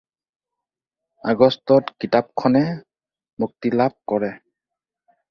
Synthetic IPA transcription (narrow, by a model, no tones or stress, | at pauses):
aɡɔstɔtkitap̚kʰɔnɛ | muk̚tilap̚kɔɹɛ